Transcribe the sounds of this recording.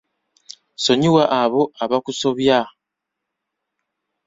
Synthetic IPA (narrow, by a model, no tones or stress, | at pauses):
soɲiwaʔaβoaβakusoβja